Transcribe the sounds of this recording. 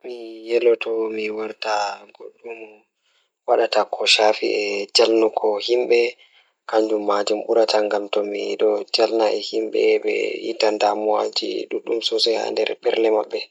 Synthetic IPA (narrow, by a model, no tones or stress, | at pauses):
mijɛlɔtɔmiwaɾtaɡoɗːum | waɗatakʰɔʃafḭɛd͡ʒalnukʰɔhimɓɛ | kaɲd͡ʒumːad͡ʒumɓuɾataŋɡamtɔmiɗɔd͡ʒalnaʔɛhimɓɛɓɛ̰jḭtandamuad͡ʒḭɗuɗːumsɔsɔjha̰ndɛ̰ɾɓɛɾlɛmaɓːɛ